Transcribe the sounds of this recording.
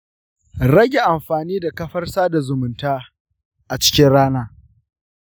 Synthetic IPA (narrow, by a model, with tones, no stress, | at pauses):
ɾɐ˦ɡʲe˨ʔa˨mɸaː˨niː˦da˨kɐ˦ɸɐ˦rsaː˦da˨zʊ˨mʊ˨ntaː˦ | ʔa˨t͡ʃɪ̥˦kʲɪ˦nɽaː˦naː˦